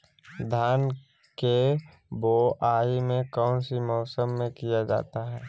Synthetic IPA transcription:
d̪ʱjaːn | ke | boːʔaːimẽkɔːnsimɔːsəmːẽkijad͡ʒa̰ːt̪aɦɛː

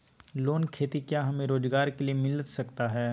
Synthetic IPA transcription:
loːnkʰeːt̪ikjaɦɐmẽɾoːd͡ʒɡaːɾkeliemɪlsɐkt̪aɦɛː

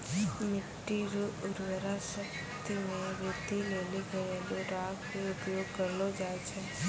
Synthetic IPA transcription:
mɪʈːiɾuʊɾʋəɾaʃək | t̪imẽɾɪd̪ʱileliɡəelõɾakʰeʊpjoɡ̚kəɾlod͡ʒajt͡ʃʰe

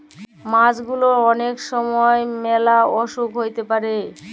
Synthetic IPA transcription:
mãd͡ʑɡuloɔnekʃɔmɔemɛlaɔʃukɦojt̪epaɾe

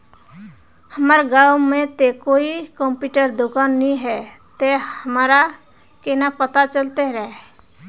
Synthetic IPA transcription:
həməɾɡaːwmẽt̪ekoːikɔ̃mpjuːʈəɾd̪ʊkaːnːĩɦɛ | t̪ehəmaːɾa | kenapət̪at͡ʃəlt̪eɾəɦe

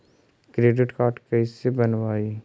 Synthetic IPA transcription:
kɾeːɖɪʈkaːɾʈkɐɪsebɐnʋaːi

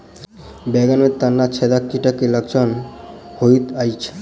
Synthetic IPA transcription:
bɛɡanmet̪anːat͡ʃʰed̪akːiʈakːeləkt͡ʃʰɔnhojt̪ajt͡ʃʰe̥

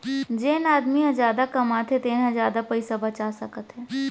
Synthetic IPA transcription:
d͡ʒeːnaːd̪miɦãd͡ʒjaːd̪akɐmaːt̪ɦɛt̪eːnɦɛ̃zjaːd̪apɐɪsabɐt͡ʃasɐkət̪ɦɛː

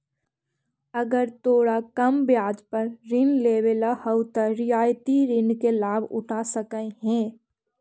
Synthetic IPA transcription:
ɐɡəɾt̪oːɽakɐmbjaːd͡ʒpɐɾɾɪnleːʋelahəwt̪əɾɪjaːjt̪iɾɪnkelaːbʊ̰ʈasəkəeɦɛ̃ː

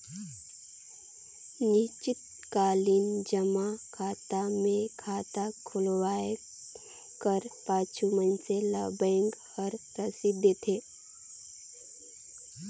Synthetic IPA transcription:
nɪt͡ʃɪt̪̚ | kaːliːnd͡ʒəmakʰaːt̪amẽkʰaːt̪akʰʊlwaːe | kəɾpaːt͡ʃʰumənseləbə̃ŋɡ | ɔːɾɾəsid̪ət̪ʰeː

